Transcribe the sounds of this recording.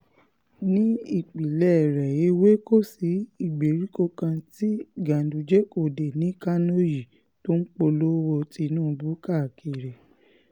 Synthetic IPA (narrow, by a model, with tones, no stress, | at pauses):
nĩ˨˦i˦˨k͡pi˨lɛ˦˨ɾɛ˨je˨˦we˦ko˦˨si˨˦i˦˨ɡ͡be˨ɾi˨˦ko˧kã˧ti˦ɡã˨du˨d͡ʒɛ˦ko˦˨de˨nĩ˨˦ka˦no˦ji˨ | to˦n̩˦k͡po˧lo˦wo˧ti˧nũː˦˨˧bu˦ka˦˨ke˨ɾɛ˨